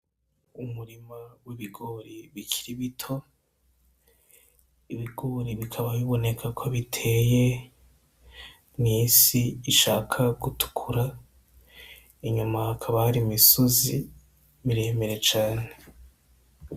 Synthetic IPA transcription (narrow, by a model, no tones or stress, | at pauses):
umuɾimawiβiɡo̞ɾiβicʰi̥ɾiβitʰo̞ | iβiɡo̞ːɾiβikʰaβaβiβo̞ne̞kʰakʰoβitʰe̞ːje̞ | niːsiːʃaːkʰaɡutu̥kʰuɾa | iɲumaːkʰaβahaɾimisozi | miɾe̞ːme̞ɾe̞t͡ʃaːne̞